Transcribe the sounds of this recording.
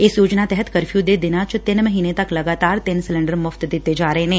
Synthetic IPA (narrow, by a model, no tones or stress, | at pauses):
ɪsjoːd͡ʒnat̪ɛɦət̪kɐɾfjud̪ed̪ɪnat͡ʃt̪ɪnməɦiːnet̪ɐklɐɡaːt̪aːɾt̪ɪnsɪlɪ̃ɳɖəɾmʊft̪d̪ɪt̪ed͡ʒaːɾɐɦẽɦɛ̃ː